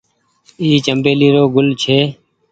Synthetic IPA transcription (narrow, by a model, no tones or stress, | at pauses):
iːt͡ʃəmbeːliːɾoːɡʊlt͡ʃʰeː